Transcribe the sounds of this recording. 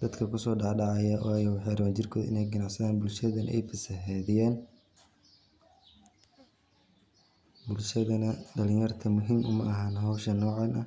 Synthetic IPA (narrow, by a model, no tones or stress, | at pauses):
d̪̥ɐd̪kʰɐkʰʊsɔːɖɑħɖɑʕɑjɐwɑːjɐwħɑjɾɐβaːnt͡ʃɪrkʰɔːðɪ̰nɛjɡɐnɑʕsɐðaːnbʊlʃɐðɐnʔɛ̰jfɐsɐɦɛðɪjɛːn | bʊlʃɐðɐnɐɖɐlɪ̃ɲjɐrt̪ʰɐmʊɦiːmʊmɐʔɐɦaːnɦɔwʃɐnːɔːʕɑnɐ